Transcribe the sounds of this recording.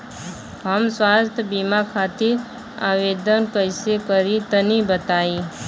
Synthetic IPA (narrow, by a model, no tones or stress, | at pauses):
ɦəmswaːst̪ʰjəbimakʰaːt̪iɾ | a̰ːʋeːd̪ənkəɪsekəɾit̪ənibət̪aːi